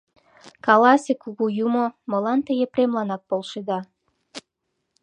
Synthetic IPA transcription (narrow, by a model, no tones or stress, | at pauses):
kɑlɑsʲekuɣujumoməlɑnt̪əjepremlɑnɑk̚polʃed̪ɑ